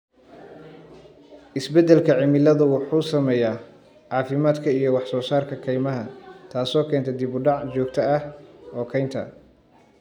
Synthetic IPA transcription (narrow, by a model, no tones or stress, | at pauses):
ʔɪsbɛd̪ɛlkʰɐʕɪmɪlɐðʊwɑħuːsɐmɛːjaː | ʕɑːfɪmaːd̪kʰɐijɞwɑħsɔːsaːrkʰɐkʰɛjmɐɦɐt̪ʰaːsɔːkʰɛːnt̪ʰɛd̪ɪβʊɖɑʕt͡ʃɔːɡ̚t̪ʰɐɐhɔːkʰɛjnt̪ʰɐ̰